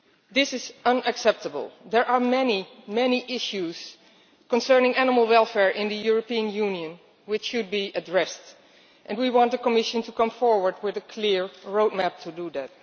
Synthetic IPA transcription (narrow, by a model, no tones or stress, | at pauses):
ðɪsɪzʌ̃nɨksɛp̚təbə̰l̩ˠðɛɹʔaɹmɛnimɛniʔɪʃuz̥ | kə̃nsɜ˞nɪ̃ŋænəməlˠwɛlˠfɛɹʔɪ̃nðəjʊɹəpiə̃njunjɨ̃n | wɪt͡ʃːud̚biədɹɛst | ʔɛ̃nwiwɑ̃nt̚ðəkəmɪʃə̃ntukʌ̃mfɔɹwə˞d̚wɪðəkʰlɪɹɹoʊd̚mæp̚tʰuduðæt̚